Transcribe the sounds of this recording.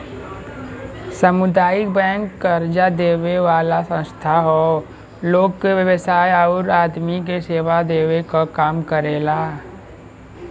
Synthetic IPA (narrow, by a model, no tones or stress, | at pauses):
səmʊd̪aːjɪk̚bɛ̃ːŋkːəɾd͡ʒad̪eːweʋaːlasə̃st̪ʰaɦoː | loːɡkeʋjəʋəsaːjaʊɾaːd̪mik̬eseːʋad̪eːwekakaːmkəɾeːlaː